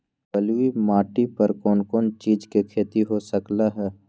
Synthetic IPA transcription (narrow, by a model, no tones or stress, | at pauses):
bəlwimaːʈipɐɾkɔːnkɔːnt͡ʃiːd͡ʒkekʰeːt̪iɦosəklaɦɛː